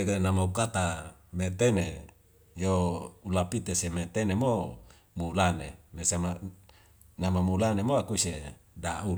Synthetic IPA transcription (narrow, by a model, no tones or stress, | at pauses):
eknamaukat̪amet̪ene | joulapit̪esemet̪enemo | mulanemesama | namamulanemoakuisedaul